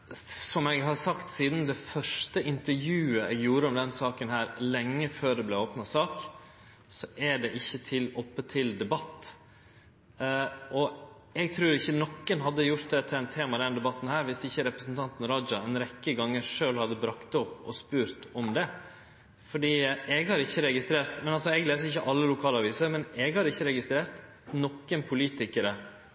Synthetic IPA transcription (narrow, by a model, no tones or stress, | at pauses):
sɔmɛɡɦɑɾsɑkt̪siːd̪nd̪ɛfœʂʈəɪnt̪əɾjʉːəɛɡjuːɾəɔmd̪ɛnsɑːkənɦæːɾlɛŋːəføːɖ̪ɛblɛoːpnɑsɑːk | sɔʔæɖɛʔɪçːət̪ʰɪlɔpːət̪ʰɪld̪ɛbɑt̪ː | ʔɔ | ɛɡ̚t̪ʰɾʉːɾɪçːənɔkːənɦɑd̪ːəjʊɾt̪̚d̪ɛt̪ʰɪlɛnt̪ʰeːmɑd̪ɛnd̪ɛbɑt̪ːn̩hæːɾʋɪsɪçːəɾɛpɾəsnt̪ʰɑnt̪nɾɑd͡ʒɑɛnɾɛkːəɡɑŋːəɾʂøːlhɑd̪ːəbɾɑkt̪ɔpːɔspʉːɾt̪ɔmd̪ɛ | fɔɖiːɛɡhɑɾɪçːəɾɛɡɪst̪ɾeːɾt̪mɛnɑlsɔɛɡleːsəɪçːəʔɑlːəlʊkʰɑːlɑʋiːsəɾmɛnɛɡhɑɾɪçːəɾɛɡɪst̪ɾeːɾt̪ | nɔkːənpʰʊliːt̪ɪkəɾə